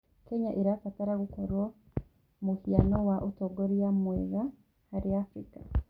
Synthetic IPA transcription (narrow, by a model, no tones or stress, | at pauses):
kɛɲaʔiɾafataɾaɣukoɾwɔ | mohianɔwaʔotɔɡoɾijamwɛða | haɾiafɾika